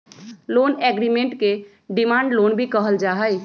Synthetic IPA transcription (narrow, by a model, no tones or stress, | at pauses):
loːnɛɡɾimẽɳʈke | ɖɪmãːɳɖloːnbʱikəɦəld͡ʒaːɦəj